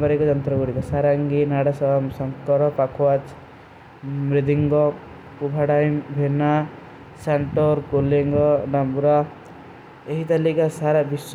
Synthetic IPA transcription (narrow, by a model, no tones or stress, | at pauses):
baɾikod͡ʒʌnt̪ɾɔɡuɽikasaɾaŋɡinaɽasɔamsɔŋkɔɾɔpakʰwat͡ʃ | mɾid̪iŋɡɔ | kubʱaɽajmbʱena | saɳʈɔɾkoleŋɡɔnambuɾa | eɦit̪alikasaɾabis